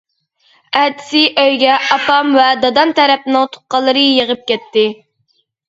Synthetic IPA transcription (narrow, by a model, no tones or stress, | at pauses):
ɛt̪ʰɪ̥sɪʔøjɡʲɛʔɑpʰɑmvɛd̪ɑd̪ɑnt̪ɛɾɛp̚nɪŋt̪ʰʊ̥t̪̚qɑlˠːɨɾɨjeʁəp̚kʲɛt̪ːɪ